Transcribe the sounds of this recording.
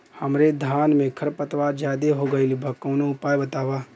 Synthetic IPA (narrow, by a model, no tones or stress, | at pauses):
hɐmɾed̪ʱaːnmẽkʰɐɾpət̪ʋad͡ʒjaːd̪eɦoɡəilibʱɐkːɐʊnoʊpaːjbɐt̪aːʋaː